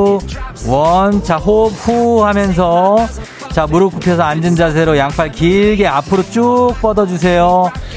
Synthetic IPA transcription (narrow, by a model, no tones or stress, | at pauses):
wʌnt͡ɕʰaɦop̚huhamjʌns̬ʰʌ | t͡ɕamuɾɯk͈upʰjʌs̬ʰʌand͡ʑɯnd͡ʑas̬ʰeɾojaŋpʰaɭkiɭɡe̞apʰɯɾot͡ɕ͈uk̚p͈ʌdʌd͡ʑus̬ʰe̞jo